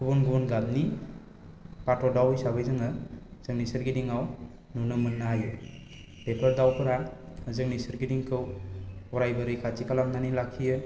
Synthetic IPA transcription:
kʰubɔnɡubɔnɡat̚ni | patɔdawijsabɯjzɯŋɯzɯŋnisɯɾɡidiŋaw | nunɯmɯnːaju | pepʰəɾdawpʰɯɾa | zɯŋnisɯɾɡidiŋkʰɯwɔɾajbɯɾɯjkʰat͡ʃikalamnanilakʰːijɯ

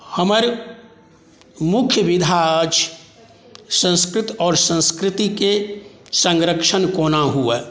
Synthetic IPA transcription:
həməɾ | mʊkʰjəʋɪd̪ʱaəd͡ʒ | sə̃nskɾɪt̪ɔːɾsə̃nskɾɪt̪ike | sə̃ŋɡɾəkʃənkoːnaɦueː

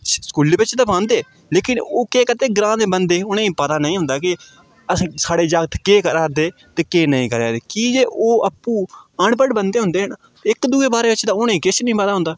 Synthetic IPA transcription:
skuːliːbɪt͡ʃd̪ãːpãːnd̪eː | leːkɪnoːkeːkət̪eːɡɾãːd̪eːbənd̪eːʊnẽːĩːpət̪aːnəĩːɦʊ̃nd̪aːkɪ | əsːsaːɽeːd͡ʒaɡt̪keːkəɾaːd̪eːt̪eːkeːnəĩːkəɾa̰ːd̪eːkiːd͡ʒeːʔoːʔəpːuːəɳpəɖbənd̪eːɦʊ̃nd̪eːɦəɳ | ɪkd̪uːeːbaːɾeːbɪt͡ʃd̪ãːʊnẽːkɪt͡ʃnəĩːpət̪aːɦʊ̃nd̪aː

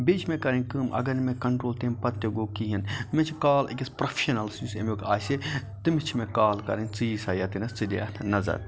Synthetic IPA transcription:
bet͡ʃʰmẽkɐɾɐ̃nʲkɨːmɐ̰ɡɐnmẽkɐɳʈɾoːlt̪ẽːmpɐt̪ːɐɡoːkiɦɐnmẽt͡ʃʰikaːlḛkʲɐspɾofʰe̥ʃɐnɐlsjusemokaːset̪ɨmit͡ʃʰmẽkaːlkɐ̰ɾɐnʲt͡siːsaːjaːt̪inɐst͡sɨd̪ḛɐt̪ʰnɐzɐ̰ɾ

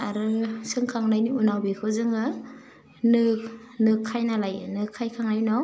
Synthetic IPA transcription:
aɾɯsɯŋkʰaŋnajniunawbikʰɯzɯŋɯ | nɯk̚ | nɯkʰːajnalajnɯkʰːajkʰaŋajnɔ

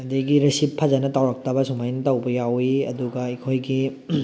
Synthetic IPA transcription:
ɐdiɡiɾɐsipʰːɐzɐnɐtawɾɐk̚tɐbɐsumajnɐtawbɐjawiɐ̰duɡɐikʰojɡi

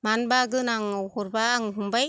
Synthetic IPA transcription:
manbaɡɯnaŋawhɔɾbaːŋɦumbaj

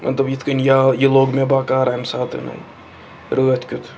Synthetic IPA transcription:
mʔɐ̰t̪lɐbjit̪ʰkənjajeloːɡmebaːkaːɾamsaːt̪ʰḛnɐ̰i | ɾoːɐt̪ʰkʲʊt̪ʰ

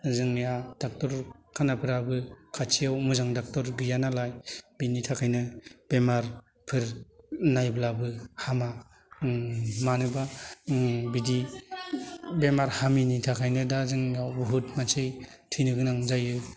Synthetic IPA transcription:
zɯŋjad̥ak̚tɔɾkʰanapʰɯɾabɯkʰat͡ʃʰijawmuzaŋdak̚tɔɾɡɯjanalajbinitʰakʰajnɯb̥emaɾ | pʰɯɾnajblabɯhama | manɯba | bidi | bemaɾhaminitʰakʰajnɯdazɯŋjawbuɦutmat͡ʃʰɯjtʰinɯɡɯnaŋzajɯ

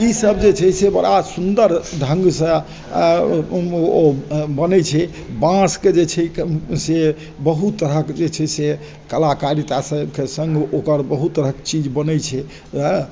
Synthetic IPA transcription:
isəbd͡ʒet͡ʃʰɛsebəɾasund̪əɾɖʱəŋɡsə̃ | bənɛt͡ʃʰɛ | bãsked͡ʒet͡ʃʰɛse | bəɦut̪ːəɾəkd͡ʒet͡ʃʰɛse | kəlakaɾit̪asə̃kesəŋɡokəɾbəɦut̪ːəɾəkt͡ʃid͡ʒbənɛjt͡ʃʰɛ

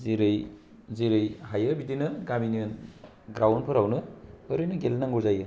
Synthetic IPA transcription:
ziɾɯj | ziɾɯjhajɯbidinɯɡaminɯn | ɡɾawnpʰɯɾawnɯɯɾojnɯɡelnaŋɡɔɾzajɯ

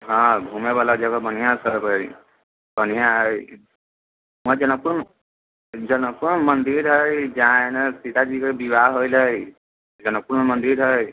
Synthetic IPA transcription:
ɦɔ̃bʱumeβalad͡ʒəɡəbənijasəɾbɦəj | bənijaɦə | məd͡ʒənək̚puɾm | d͡ʒənək̚pːuɾmmənd̪iɾɦəjd͡ʒaãenesit̪ad͡ʒikebibaɦojləj | d͡ʒənək̚puɾmemənd̪iɾɦəj

